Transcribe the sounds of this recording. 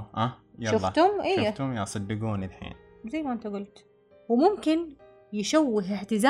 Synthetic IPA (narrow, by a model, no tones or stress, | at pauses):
ʔajʃɑlʊlˤːɑt̪ʊmʔijːat̪ʊmjɑʕsˤɨd̪ːɪɡuːnilħḭːn | zajːmaʔɪnt̪aɡʊlt̪ | wɪmʊmkɪn | jɪʃawːɪɦɪħt̪ɪzaː